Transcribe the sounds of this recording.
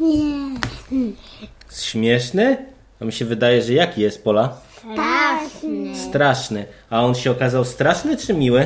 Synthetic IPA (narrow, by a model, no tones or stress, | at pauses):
ɲɛ | ɛsɕmʲjɛʂnɘ | amʲiɕɛvɘd̪ajɛʐɛjakʲijɛst̪̚pɔla | st̪ɾaʂnɘ | aɔnɕɛɔkazawst̪ɾaʂnɘt͡ʂɘmʲiwɘ